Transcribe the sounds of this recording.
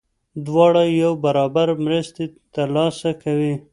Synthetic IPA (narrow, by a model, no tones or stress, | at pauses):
d̪wɑɽajawbaɾɑbaɾmɾəst̪et̪aɾlɑsakawi